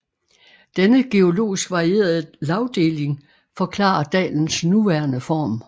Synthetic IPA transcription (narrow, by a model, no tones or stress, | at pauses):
d̥enəɡ̥e̝o̝lo̝̰ːisɡ̥ʋɑ̈ʁie̝̰ːɐð̞̩ˠlɑ̈ʊd̥e̝ːle̝ŋ | fɒ̽kʰlɑ̰̈ːɐd̥ɛ̰ːln̩snuʋæɐnəfɒ̰ːm